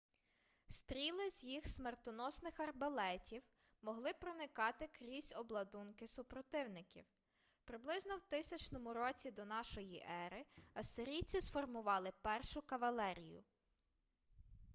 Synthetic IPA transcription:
st̪ɾʲilˠɪzʲjixsmert̪ɔnɔsnɪxɐrbɐlˠɛtʲiw | mɔɦlˠɪpɾɔnɪkɑt̪ɪkɾʲisʲɔblˠɐd̪unkɪsʊpɾɔt̪ɪwnɪkʲḭw | pɾɪblˠɪznɔwt̪ɪsʲɐt͡ʃnɔmʊɾɔt͡sʲid̪ɔnɑʃɔjiʔɛɾɪɐsɪɾʲijt͡sʲisfɔrmʊʋɑlˠɪpɛrʃʊkɐʋɐlˠɛɾʲijʊ̰

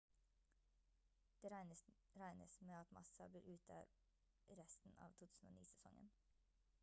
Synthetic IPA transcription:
d̪̥eːɾɾæɪnəsmeːɑt̪mʔɑ̰sɑb̪iːɾʔʉːt̪ʰəɾ | ɾɛst̪n̩ɑ̰ːʋt̪ʰuːt̪ʉːsn̩o̰ːnḭːsɛsɔ̰ŋə̰n

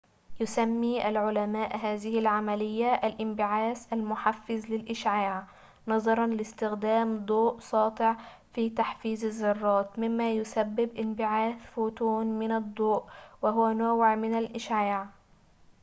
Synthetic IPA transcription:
jʊsamːiːʔalʕʊlæmaːʔɦaːzɪhɪlʕamælɪjːaʔːlʔɪmbɪʕaːsʔalmʊħafːɪzlɪlʔɪʃʕaːʕ | nɑðˤɑɾˤɑnlɪst̪ɪxd̪aːmd̪ˤoːʔsˤɑːt̪ˤɪʕ | fiːt̪aħfiːzɪzːɑrˤːɑːt̪mɪmːajʊsabːɪbʔɪmbɪʕaːθfuːt̪uːnmɪnɑd̪ˤːoːʔwɪɦʊwænʊwʕmɪnalʔɪʃʕaːʕ

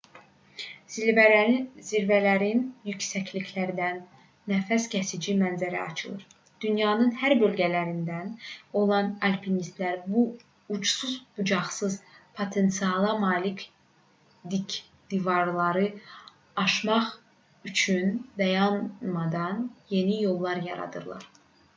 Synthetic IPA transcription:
vziɾvælæɾinjycsæcliçʰlæɾd̪ænː | æfæscʰæsid͡ʒimænzæɾæ̰ɑ̰t͡ʃʰɯlˠɯ̰ɾ | d̪̥ynjɑːnɯnhæɾbø̞lɟælæɾind̪æno̞lˠɑnɑlpʰinist̪læɾbuː | t͡ʃsuzbud͡ʒɑχsɯzpʰot̪ʰe̞nt̪siɑlˠɑmɑːlic | d̪ic | d̪̥ivɑɾlˠɑɾɯ | ɑʃmɑχ | yt͡ʃʰynd̪ɑjɑnmɑd̪ɑnje̞nijo̞lˠːɑɾjɑ̰ɾɑ̰d̪ɯ̰ɾlˠɑ̰ɾ

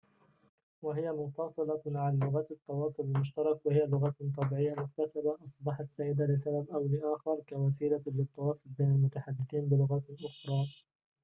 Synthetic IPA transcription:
waɦɪjamʊfɑsˤɨlɑmaʕallːʊɣat̪ɑt̪ˤːɑwɑːsˤʊlɪlmʊʃt̪ɑɾˤɑkwahɪjalʊɣat̪ˤːɑbiːʕɪjːamʊk̚t̪asabaʔɑsˤbɑħɑt̪saːjɪd̪alɪsababʔawlɪʔaːxɪɾˤkawas̬iːlalɪt̪ˤːɑwɑːsˤʊlbeːnalmʊt̪aħad̪ːɪθiːnbɪlʊɣaʔʊxɾˤɑː

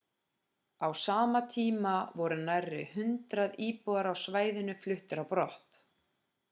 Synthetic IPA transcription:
awsaːmat̪ʰiːmavɔɾʏnajrːɪ̰hʏnt̪ɾaðiːpɔðaɾawsvaːjðɪnʏflʏht̪ɪɾapɾɔht̪

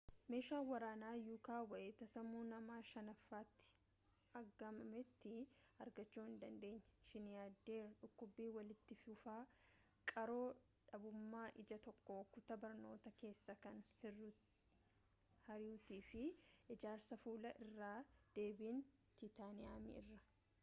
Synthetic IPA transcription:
me̞ːʃaːwɐɾaːnaːjuːkaːwɐʔeːt̪ɐsɐmːuːnɐmaːʃɐnɐfːaːt̪ːɪ̥ | ɐɡɐmɐmɛt̪ːɪɐɾɡɐt͡ʃːuːhɪnd̪ɐnd̪e̞ːɲːɐ̥ʃɪnjaːd̪ːe̞ːᶑʊkːʊbːiːwɐlɪt̪ːɪfʊfaː | kʼɐɾo̞ː | ᶑɐbʊmːaːʔɪd͡ʒɐt̪ɔkːoːkʊt̪ɐbɐɾno̞ːt̪ɐke̞ːsːɐkɐnhɪ | hɐɾɪʊt̪iːfɪɪd͡ʒaːɾsɐfuːlɐʔɪrːaːd̪̥e̞ːbiːn | t̪it̪aːnɪjaːmɪ̰ɪrːɐ̥

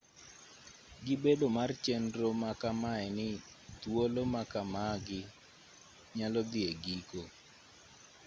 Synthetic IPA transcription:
ɡɪbedomart͡ʃendɾomakamaɛnɪ | t̪wolomakamaɡɪ | ɲalɔd̪ɪeɡiko

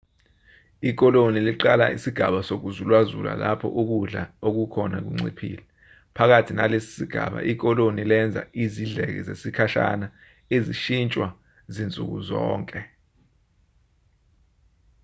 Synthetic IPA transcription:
ik̬ɔloniliǃalaisiɡ̥ʱaɓasok̬uzulwazula̰lapʰɔ̰ʔuk̬uɮaok̬ukʰɔnak̬ṵŋ͡ǀḭpʰḭːlɛ | pʰak̬atʰinalesi̥siɡ̥ʱa̰ɓa̰ʔik̬ɔlonilɛnd͡zʱa̰iziɮɛk̬ɛ̰zesikʰaʃa̰na | eziʃint͡ʃʼwa | zint͡sʼṵk̬uzɔːŋkʼɛ

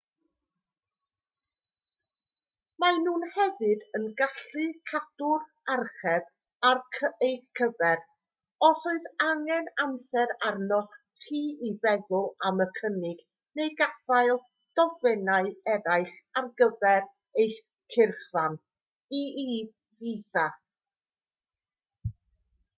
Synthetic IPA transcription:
manuːnhɛvɨdənɡaɬɨkʰad̥ʊr | arχɛb̥ | arʰejkʰəvɛɾ | ɔsoɨðaŋɛnansɛɾarnɔχ | riːibɛðʊlˠaməkʰənɪɡ̥ | nejɡafajlˠ | d̥ɔvvɛnaɨɛɾajχarɡəvɛɾ | ej | kʰɪrχvan | ii | visa

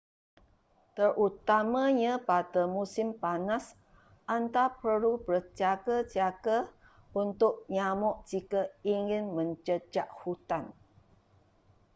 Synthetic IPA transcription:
t̪ərʔut̪amãɲãpat̪əmusɪmpanas | ʔant̪apəlupəɾt͡ʃaɡət͡ʃiaɡə | unt̪ʊʔ̚ɲamɔʔd͡ʒikəiŋɪnmə̃ɲt͡ʃəd͡ʒaʔhut̪an

